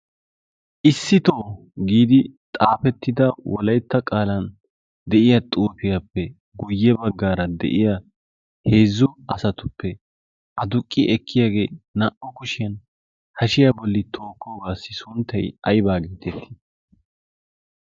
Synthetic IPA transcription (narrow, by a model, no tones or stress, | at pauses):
ʔɪsːɪt̪o̞ː | ɡiːd̪ɪt̪ʼaːfɛt̪ːɪd̪ɐwɔlɐjt̪ːɐkʼaːlɐn | d̪ɛʔɪjɐt̪ʼuːfɪjɐpːɛ | ɡʊjːɛbɐɡːaːɾɐd̪ɛ̰ʔɪja | he̞ːzːʊɐsɐt̪ʊpːɛ | ʔɐd̪ʊkʼːɪʔɛkʰːɪjaːɡe̞ːnɐʔɔkʊʃɪjɐn | hɐʃɪjabɔlːɪt̪ʰo̞ːkʰːoːbaːsːɪsʊnt̪ːɐjɐjbaːɡeːt̪ɛt̪ːɪ̥